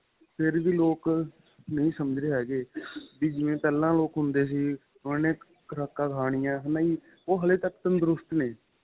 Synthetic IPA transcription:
pʰɪɾʋiːloːk | nəĩːsəməd͡ʒd̪eːɦɛːɡeːbiːd͡ʒɪʋẽːpɛːlãːloːkɦʊnd̪eːs̬iː | ʊneː | kɾaːkːãːkʰaːɽ̃ɪjãːɦənaːiː | oːɦəleːt̪əkːt̪ənd̪əɾʊst̪neː

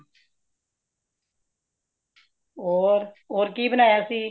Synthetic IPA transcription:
oːɾoːɾkiːbənaːjaːsiː

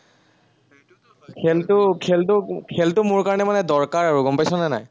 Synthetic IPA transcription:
kʰɛltʊkʰɛltʊkʰɛltʊmʊɹkaɹɔnɛmanɛdɔɹkaɹaɹuɡɔmpajsɔnana̰j

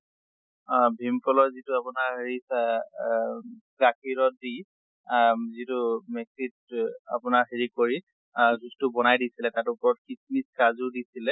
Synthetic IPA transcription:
bʱimpɔlɔzitʊapʊnaɹɦeɹisa | ɡakʰiɹɔt̚di | zitʊmɛksita̰pʊnaɹɦeɹikoɹi | ɡustʊbɔnajdisilɛtatʊpɔɔt̚kismiskazʊɹdisilɛ

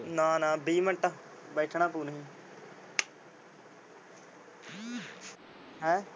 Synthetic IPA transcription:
nãːnãːbiːməʈːaː | bɛːʈʰɳãːpuːnɦĩː | ɦɛ̃ː

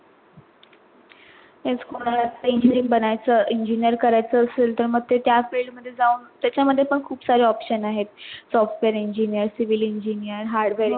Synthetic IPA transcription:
ɦẽd͡zkoɽ̃aɾat̪ːəiɲd͡ʑinĩŋɡbənajt͡səʔiɲd͡ʑinijəɾkəɾajt͡səːselt̪əɾməɡ̚t̪et̪jafeɭɖməd̪ʱːjed͡zauːnt̪jat͡ɕaməd̪ʱːjepəɳkʰuːpsaɾeɔpɕənaɦet̪̚sɔfʈʋeɾiɲd͡ʑinijəɾsiʋiliɲd͡ʑinijəɾɦaɾɽʋeɾ

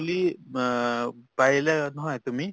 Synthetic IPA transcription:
uli | pajilanɔɦɔjt̪umi

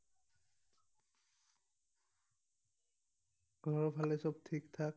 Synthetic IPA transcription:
ɡ̥ʱɔɹɔpʰalɛsɔb̚tʰiktʰak̚

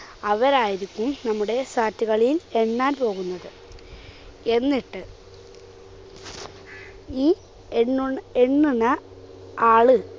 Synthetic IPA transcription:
ɐʋɐɾaːjiɾikʲːumnɐmːuɽe̞saːtːiɣɐɭile̞ɳːaːnpo̞ːɣunːɐðɨ | e̞nːiʈːɨ | iː | eeɳːuɳɐ | aːɭɨ

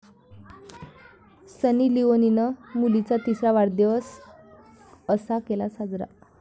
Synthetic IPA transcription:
sənilioninəmulit͡sat̪isɾaʋaɽd̪jəs | əsakelasad͡zɾa̰

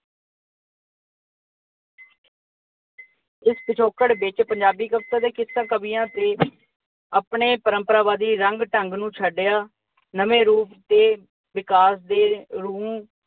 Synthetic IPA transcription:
ɪspɪt͡ʃʰoːkəɽbɪt͡ʃpəɲd͡ʒaːbiːkəpt̪aːd̪eːkɪsːãːkəbijãːt̪eː | aːpɳeːpəɾəmpəɾaːʋaːd̪iːɾəŋɡʈəŋɡnũːt͡ʃʰəɖjaː | nəmeːɾuːpt̪eː | ʋɪkaːsd̪eːɾũː

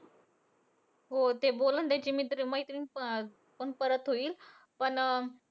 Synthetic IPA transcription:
ɦot̪eboːlənd̪ed͡ʑimit̪ɾimɐɦit̪ɾin | ponpəɾət̪ɦuiːl | pɐn

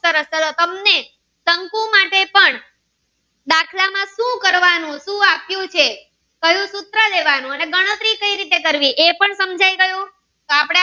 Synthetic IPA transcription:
əɾəsət̪ot̪əmne | səŋkũmaʈepəɳ | d̪akʰlamãʃũkəɾʋanũʃũapjũt͡ʃʰe | kəjũsʊt̪ɾəd̪eʋanũəneɡəɽ̃ət̪ɾikəiɾit̪ekəɾʋiʔepəɳsəmd͡ʒʱaiɡəjũ | t̪oapɽ̃e

